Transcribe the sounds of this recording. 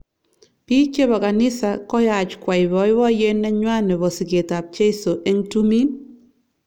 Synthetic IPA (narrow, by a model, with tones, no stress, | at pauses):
pi˦t͡ʃe˦bɔ˨ka˨nɪ˦sa˨kɔ˦ja˨t͡ʃkwa˨jbɔ˨˦jwɔ˦je˦nːɛ˦ɲwa˦nɛ˨bɔ˨si˨ke˨ta˨p̚t͡ʃe˦jso˨ʔɛ˦ŋtu˦mi˦n